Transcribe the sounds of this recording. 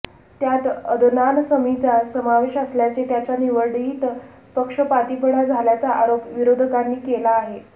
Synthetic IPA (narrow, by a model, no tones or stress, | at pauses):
t̪jat̪əd̪ʱnansəmit͡sasəmaʋeɕəsljat͡set̪jat͡ɕjaniʋəɭɽiːt̪ | pəkʂəpat̪ipəɽad͡zʱaljat͡saʔaɾopʋiɾod̪ʱəkanːiːkelaːɦe